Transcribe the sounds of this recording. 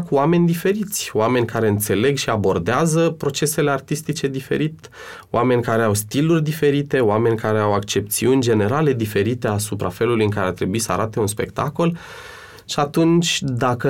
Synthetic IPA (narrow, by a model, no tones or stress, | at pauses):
kuame̞nʲd̪ife̞ɾit̪sʲoame̞nʲkaɾe̞ɨnt̪se̞le̞ɡʃiabo̞rd̪eazəpɾo̞t͡ʃe̞se̞le̞art̪ist̪it͡ʃe̞d̪ife̞̰ɾit̪ | oʔame̞nʲkaɾe̞awst̪ilurʲd̪ife̞ɾit̪e̞oame̞nʲkaɾe̞awakt͡ʃe̞p̚t̪siunʲd͡ʒe̞ne̞ɾale̞d̪ife̞ɾit̪e̞asupɾa̰fe̞lulujɨŋkaɾeart̪ɾe̞buisəa̰ɾat̪e̞unspe̞̰kt̪ako̞l | ʃiat̪unt͡ʃʲd̪akə